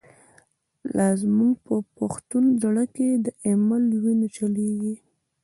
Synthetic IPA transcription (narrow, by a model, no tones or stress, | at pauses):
lʔazmuɡpəpaxt̪undaɽaked̪əʔemalwinat͡ʃaleɡi